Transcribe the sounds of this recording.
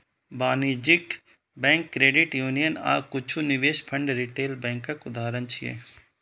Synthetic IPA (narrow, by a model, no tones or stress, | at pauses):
baːnid͡ʒik | bɛ̃ːŋkːɾeːɖɪʈjuːnijəna̰ːkʊt͡ʃʰuniʋeːʃpʰɐ̃ɳɖɾiʈeːlbɛ̃ːŋkɐkʊd̪aːɾənt͡ʃʰiḛː